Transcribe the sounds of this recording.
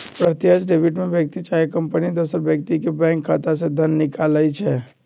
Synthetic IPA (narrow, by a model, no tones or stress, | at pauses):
pɾət̪jəsɖeːbɪʈmẽbjək̚t̪it͡ʃaːjekɐ̃mpənid̪oːsəɾbjək̚t̪ikebɛ̃ːŋkʰːaːt̪ased̪ʱɐnːɪkaːlaːit͡ʃʰɛː